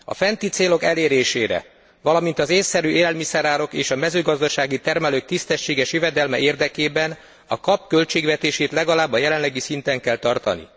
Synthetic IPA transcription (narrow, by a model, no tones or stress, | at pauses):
ɒ̰fɛnt̪it̪seːlo̞kɛleːɾeːʃḛːɾɛ̰ | vɒlɒmint̪ɒzeːsːɛɾyʔeːlɛlmisɛɾaːɾo̞keːʃɒmɛzøːɡɒzd̪ɒʃaːɡit̪ɛrmɛløːk̚t̪ist̪ɛʃːeːɡɛʃjøvɛd̪ɛlmɛeːrd̪ɛkeːbɛn | ɒkɒpkø̞lt͡ʃeːɡʋɛt̪eːʃeːt̪lɛɡɒlaːbːɒjɛlɛnlɛɡisint̪ɛŋkɛlt̪ɒrt̪ɒnḭ